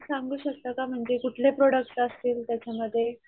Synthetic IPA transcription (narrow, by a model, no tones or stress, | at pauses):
saŋɡuːɕək̚t̪akam̤əɳd͡zekuʈʰlepɾoɽək̚ʈəst̪iːlt̪jat͡ɕaməd̪ʱːje